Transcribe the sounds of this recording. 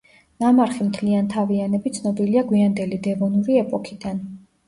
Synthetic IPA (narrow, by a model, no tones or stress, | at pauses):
namaɾχimt̪ʰliant̪ʰavianɛbit̪sʰnɔbiliaɡwiand̪ɛlid̪ɛvɔnuɾiɛpʼɔkʰid̪an